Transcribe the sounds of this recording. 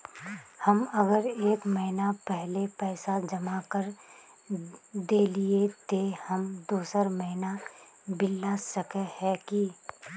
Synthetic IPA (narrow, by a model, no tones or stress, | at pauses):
həmɐɡəɾeːkməɦɪnapɛɦlepɛːsad͡ʒəmakəɾ | d̪eːliet̪ehəmd̪oːsəɾməɦɪna | bɪlːasəkəhɛki